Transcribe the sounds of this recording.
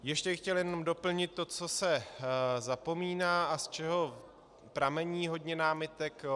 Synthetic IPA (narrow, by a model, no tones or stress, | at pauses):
jɛʃcɛbɪxcɛljɛno̞mdo̞pl̩ɲɪt̪ːo̞t͡so̞sɛ | zapo̞miːnaːʔast͡ʃɛɦo̞ | pɾamɛɲiːɦo̞dɲɛnaːmɪt̪ɛk